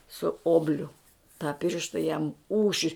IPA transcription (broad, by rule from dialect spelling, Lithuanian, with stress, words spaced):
sʊ ˈoːbʲlʲʊ tɑː ˈpʲɪrʃtɐ jɛm ˈuːʃʲɪ